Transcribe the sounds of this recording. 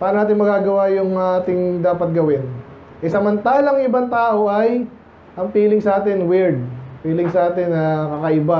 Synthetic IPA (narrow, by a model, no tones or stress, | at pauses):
paːɾɐnaːt̪ɪŋmɐɡaːɡɐwajʊŋaːt̪ɪŋd̪aːpɐt̪̚ɡɐwɪn | ʔɛsɐmɐnt̪aːlɐŋɪbaŋt̪aːʔo̞ʔɐj | ʔɐŋfiːlɪŋsɐʔaːt̪ɪnwɪɹd̪̚fiːlɪŋsɐʔaːt̪ɪnɐkɐkɐʔɪba